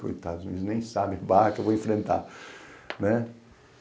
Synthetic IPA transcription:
ko̰jt̪ad̪uzunid̪ʊznẽj̃sabɪ̃bakewvoẽfɾẽnt̪a | nɛ

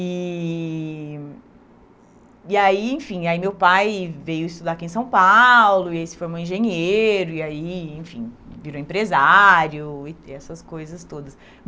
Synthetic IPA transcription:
i | aiẽfĩaimewpajvejʊist̪ud̪akiẽsɐ̃w̃pawlʊiaisɪ̥foɾmoẽʒẽɲeɾʊiaiẽfĩviɾoẽmpɾezaɾjʊɪɛsɐskojzɐst̪od̪ɐs | m

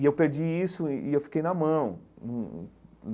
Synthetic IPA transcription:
ɪewpeɾd͡ʒiisʊiewfi̥kejnɐmɐ̃w̃nũn

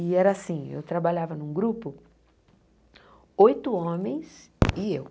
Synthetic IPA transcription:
ɪɛɾɐːsĩḛwt̪ɾabaʎavɐnũɡɾupʊ | ojt̪ʊõmẽj̃sɪew

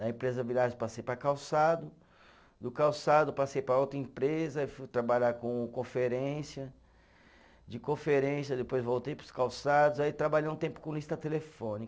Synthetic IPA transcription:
ɐẽpɾezɐviɾaʒɪpasejpɾɐkawsad̪ʊ | d̪ʊkawsad̪ʊpasejpɾɐowt̪ɾɐĩpɾezɐefujt̪ɾabaʎakõkõfeɾẽsiɐ | d͡ʒɪkõfeɾẽsjɐd̪epojzvowt̪ejpɾʊ̥skawsad̪ʊzait̪ɾabaʎejũt̪ẽmpʊ̥kõlist̪ɐt̪elefõni

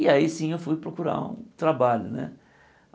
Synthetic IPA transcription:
ɪaisĩewfujpɾokuɾa̰ṵ̃t̪ɾabaʎʊnɛ̰

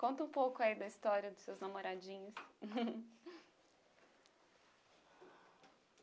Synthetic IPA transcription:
kõnt̪ɐũpowkʊaid̪ɐist̪ɔɾiɐd̪ʊsewznamoɾad͡ʒĩɲʊs

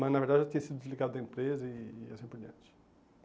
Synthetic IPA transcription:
mɐznɐveɾd̪ad͡ʒɪʒat̪ĩɲɐsid̪ʊd̪ʲɪzliɡad̪ʊd̪ɐẽpɾezɐiːɛ̰sĩpʊɾd͡ʒiɐ̰̃nt͡ʃɪ̥

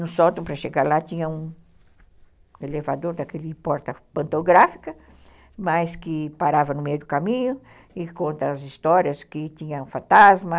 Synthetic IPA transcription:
nʊsɔt̪ɐ̃pɾɐʃeɡaɾlat̪ĩɲɐũ | elevad̪oɾd̪ɐkelɪpɔɾt̪ɐpɐ̃nt̪oɡɾafi̥kɐ | mɐjskɪpaɾavɐnʊmejʊd̪ʊkamĩɲʊ | ɪkõnt̪ɐːzist̪ɔɾiɐskɪt̪ĩɲɐ̃fɐ̃nt̪azmɐ

